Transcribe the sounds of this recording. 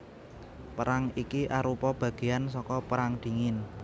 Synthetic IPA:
pəɾaŋikiʔaɾupɔb̥ä̤ɡ̥e̤jansɔkɔpəɾaŋd̪̥i̤ŋɪn

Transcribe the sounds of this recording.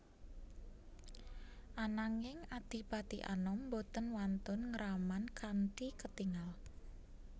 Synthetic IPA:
ʔanaŋɪŋad̪̥i̤pat̪iʔa̰nɔmːbot̪ənwant̪ʊnŋəɾamankanɖikət̪iŋal

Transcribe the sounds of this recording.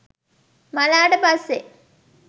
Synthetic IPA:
malaːʈəpɐsːe

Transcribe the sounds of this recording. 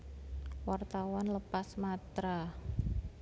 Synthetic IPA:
wart̪awanləpasmat̪ɾa

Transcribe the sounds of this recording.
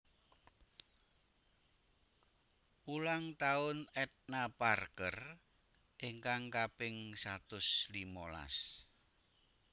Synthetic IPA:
ulaŋt̪aʊnɛt̪̚naparkər | ʔeŋkaŋkapɪŋsat̪ʊslimola̰s

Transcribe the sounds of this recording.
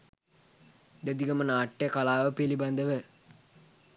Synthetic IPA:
d̪ɛd̪iɡɐmənaːʈːekalaːʋəpeliband̪əʋə

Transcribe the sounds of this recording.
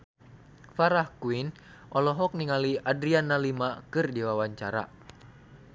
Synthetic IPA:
faɾahkuin | ʔɔlɔɦɔk̚niŋaliadɾianːalimakɨrdiwawaɲt͡ʃaɾa̰

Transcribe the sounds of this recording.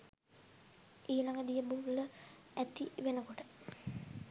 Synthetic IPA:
iːlaŋɡəd̪ijəbuːʋilə | æt̪iʋenəkoʈə

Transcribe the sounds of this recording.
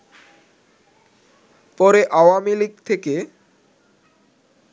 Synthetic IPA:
pɔɾeʔawamiliɡ̚t̪ʰeke

